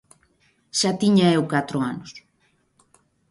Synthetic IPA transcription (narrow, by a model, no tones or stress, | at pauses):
ʃat̪iɲaewkat̪ɾʊanʊs